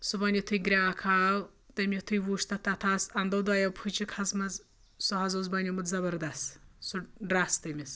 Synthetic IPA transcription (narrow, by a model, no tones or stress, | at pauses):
subɐnʲit̪ʰujɡɾʲaːkʰaːwt̪ɐmʲet̪ʰujʋuːʂt̪ɐt̪ɐt̪ʰaːsɐnd̪ɐwd̪aːjɐwpʰɨt͡ʃikʰɐzmɐz | suɦɐzozbɐnʲjimɨt̪zɐbɐɾd̪ɐst̪suɖɾast̪ɐmʲis